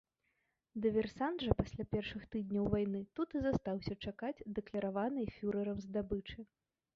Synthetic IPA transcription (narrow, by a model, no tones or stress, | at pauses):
d̪ɨvʲɛrsand̪ʐɐpasʲlʲapʲɛrʂɨxt̪ɨd̪̚ʲnʲɐwvajnɨt̪ut̪ɨzast̪awsʲɐt͡ʂakad͡zʲd̪ɛklʲɐɾavanɨjfʲuɾɐɾɐmzd̪abɨt͡ʂɨ